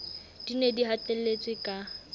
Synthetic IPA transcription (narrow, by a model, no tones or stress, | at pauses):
d̥inediɦatelet͡sʼɪkʼa